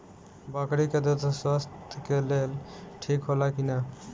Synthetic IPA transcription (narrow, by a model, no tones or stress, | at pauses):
bakɾiked̪ot̪swast̪kelelʈʰikɦolakina